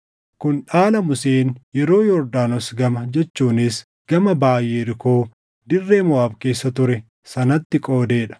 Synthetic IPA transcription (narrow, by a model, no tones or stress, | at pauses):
kʊnᶑaːlɐmʊseːnjɛɾo̞ːjɔɾd̪aːnɔsɡɐmɐd͡ʒɛt͡ʃːuːnɪs | ɡ̥ɐmɐbaːjʔeːɾɪko̞ː | d̪ɪrːe̞ːmʊwaːbke̞ːsːɐt̪ʊɾɛ | sɐnɐt̪ːɪkʼo̞ːd̪eːᶑɐ̥